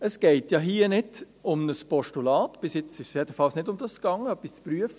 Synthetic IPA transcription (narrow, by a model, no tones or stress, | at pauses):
əsɡ̥ɛɪtjɑːɦiːənɪd | ʊmnəspɔʃtulɑːtb̥ɪsjɛt͡sɪʃsjɛdəfɑlsnɪdʊmd̥ɑsɡ̥ɑŋəœpːɪst͡spɾyəfə